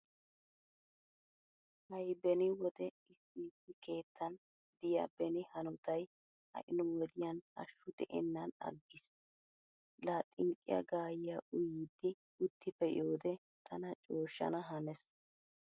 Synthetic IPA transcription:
hɐjbɛnɪwɔd̪ɛ | ɪsːiːsɪke̞ːt̪ʰːɐn | d̪ɪjɐ̰bɛnɪhɐnɔt̪ɐj | hɐ̰ʔɪnɔwɔd̪ɪjɐnɐ̰ʃːʊd̪ɛ̰ʔɛ̰nːɐnɐ̰ɡːɪs | laːt̪ʼɪŋkʼɪ̰jɐ̰ɡaːjɪjaʔʊjɪd̪ːɪ | ʊt̪ʰːɪpːɛjo̞ːd̪ɛ | t̪ʰɐnɐt͡ʃʼo̞ːʃːɐ̰nɐɦɐnɛs

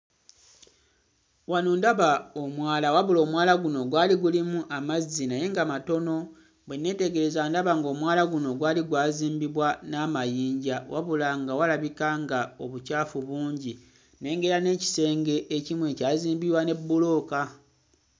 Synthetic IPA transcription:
wanuːndaβaomwaːlawaβulo̞ːmwaːlaɡuno̞ɡwaːliɡulimuʔamazinaje̞ŋɡamato̞no̞ | βwenːe̞ːte̞ɡe̞ɾe̞zandaβaŋɡo̞ːmwaːlaɡuno̞ɡwaːliɡwaːziːmbiβwanaːmajiːɲɟawa̰βulaŋɡawalaβikaŋɡao̞βucaːfuβuːɲɟi | ne̞ːŋɡe̞ɾane̞ːci̥se̞ːŋɡe̞ʔecimwe̞caːziːmbiβwane̞bːulo̞ːka

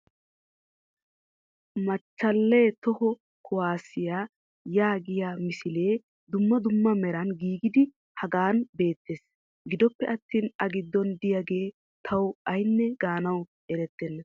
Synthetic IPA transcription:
mɐt͡ʃːɐlːeːt̪ɔhɔ | kʰʊwaːsɪjaː | jaːɡɪjamɪsɪle̞ː | d̪ʊmːɐd̪ʊmːɐmɛɾɐnɡiːɡɪd̪ɪ | hɐɡaːnbe̞ːt̪ːeːs | ɡɪd̪ɔpːɛʔɐt̪ːiːnɐɡɪd̪ːɔnd̪ɪjaɡe̞ː | t̪ʰɐwɐjnːɛɡaːnɐw | ɛɾɛt̪ːɛnːɐ

